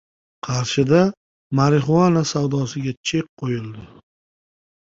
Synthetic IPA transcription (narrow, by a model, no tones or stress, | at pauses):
qʰɑɾʃɪd̪a | maɾɪχʊanasawd̪ɒsɪɡʲat͡ʃʰeq̚qʰːojɪlˠd̪ɪ